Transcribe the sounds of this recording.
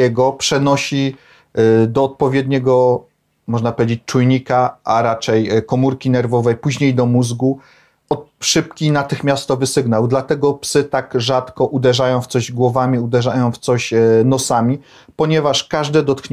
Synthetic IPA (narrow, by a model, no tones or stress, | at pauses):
ɛɡɔpʂɛnɔɕi | d̪ɔːt̪̚pɔvʲjɛd̪ɲɛɡɔ | mɔʐnapɔvʲed͡ʑet͡ɕʲt͡ʂujɲikaaɾat͡ʂɛjkɔmuɾkʲinɛɾvɔvɛjpuʑɲejd̪ɔmuzɡu | ɔt̪ʂɘpkʲinat̪ɘxmʲjast̪ɔvɘsɘɡnawd̪lat̪ɛɡɔpsɘt̪aɡʐat̪kɔʔud̪ɛʐajɔ̃w̃ft̪sɔʑɡwɔvamʲiud̪ɛʐajɔ̃w̃ft̪sɔɕnɔsamʲi | pɔɲɛvaʂkaʐd̪ɛd̪ɔt̪xɲ